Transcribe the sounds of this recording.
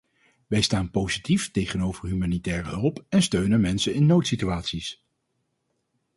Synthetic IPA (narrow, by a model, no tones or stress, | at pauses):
ʋɛjstaːnpowzitiftejχənowvəɹɦymaːnitɛːrəɦɵlˠpɛnstøɥnənmɛnsənɪnːowtsityaːtsis